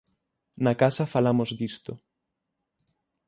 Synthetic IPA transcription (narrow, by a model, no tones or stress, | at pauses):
nakasafalamozd̪ist̪o